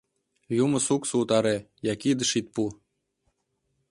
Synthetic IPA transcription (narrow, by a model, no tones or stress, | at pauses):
jumə̆suksuut̪ɑɾe | jɑkid̪ə̆ʃit̪̚pu